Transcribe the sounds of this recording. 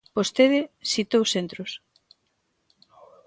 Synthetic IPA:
post̪eðɪsit̪owsent̪ɾos

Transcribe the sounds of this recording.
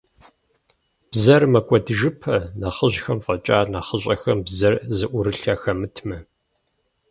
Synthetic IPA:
b̥zɐrmɐkʷʼɔdɨʒɨpʰɐnaχəʑxɐmfʼɐt͡ʃʼaːnaχəɕʼɐxɐmbzɐrzɨʔʷʊɾɨɬaːxɐmɨtʰmɐ

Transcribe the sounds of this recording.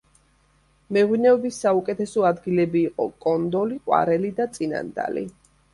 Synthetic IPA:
mɛʁwinɛɔbisːaukʼɛt̪ʰɛsɔad̪ɡilɛbiːqʼɔ̰kʼɔnd̪ɔliqʼwa̰ɾɛlid̪at̪sʼina̰nd̪a̰lḭ

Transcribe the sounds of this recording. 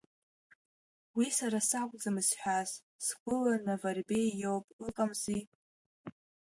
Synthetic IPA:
wisaɾasakʷʼd͡zamɨsħʷᶣaz | sɡʷʊlanavarbejjowpʼɨqʼamzi

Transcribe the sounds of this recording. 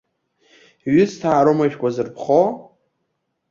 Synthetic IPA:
ɥʏstʰaːɾomaʃᶣkʷʼazɨrpʰχo

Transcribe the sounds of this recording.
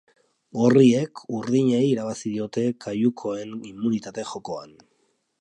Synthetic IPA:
ɡo̞rie̞kuɾðiɲeiːɾaβ̞asiðio̞t̪e̞kajukʰo̞e̞nimːunit̪at̪e̞xo̞ko̞a̰n

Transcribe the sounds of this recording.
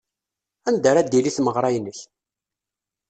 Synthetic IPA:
ænd̪əɾæd̪iliθməʁɾˤɑjnəç

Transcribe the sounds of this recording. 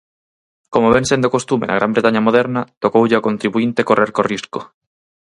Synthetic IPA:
komoβẽnsẽnd̪okost̪umḛna̰ɣɾambɾet̪aɲamoðɛɾnɐt̪okowʎeakont̪ɾiβuint̪ekorʔeɾkorisko

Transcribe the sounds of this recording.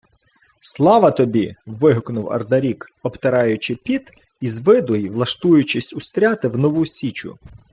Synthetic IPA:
slˠɑʋɐt̪ɔbʲiʋɪɦʊknʊwɐ̰rd̪ɐɾʲikɔpt̪ɐɾɑjʊt͡ʃɪpʲit̪ | izʋɪd̪ɔjʋlˠɐʃt̪ujʊt͡ʃɪsʲʊst̪ɾʲɑt̪ɪwnɔʋusʲit͡ʃʊ̰

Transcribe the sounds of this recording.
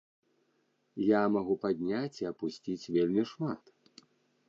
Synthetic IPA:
jamaɣupad̪ʲnʲat͡sʲiɐpusʲt͡sʲit͡sʲvʲelʲmʲiʂmat̪

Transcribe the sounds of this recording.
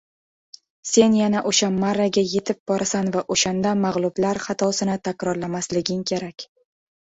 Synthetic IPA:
se̞njanaʔoʃamːaɾaɡʲaje̞t̪ʰɪp̚bɒɾasanvaʔoʃand̪amaʁlˠʊblaɾχat̪ʰɒsɪnɪt̪ʰakʲɾɒɾlamaslɪɡʲɪŋkʲʰe̞ɾakʲ

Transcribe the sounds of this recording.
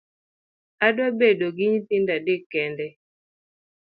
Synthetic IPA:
adwabedoɡɪɲt̪ɪndadɪkɛndɛ

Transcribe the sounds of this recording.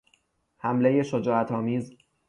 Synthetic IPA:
hæmleje̞ʃod͡ʒɒːæt̪ʰɒːmiːz

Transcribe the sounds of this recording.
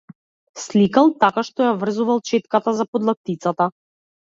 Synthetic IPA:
slikalˠt̪akaʃt̪ɔjavr̩zuvalˠt͡ʃɛt̪kat̪azapɔd̪lˠak̚t̪it̪sat̪a

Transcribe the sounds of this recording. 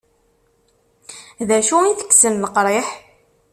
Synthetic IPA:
ðæʃuiθə̥kːsənːəqɾˤeħ

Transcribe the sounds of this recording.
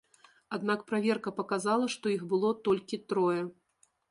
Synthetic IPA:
ad̪nakpɾavʲɛrkɐpɐkazalˠɐʂt̪ɔixbɨlˠɔt̪ɔlʲkʲit̪ɾɔjɛ

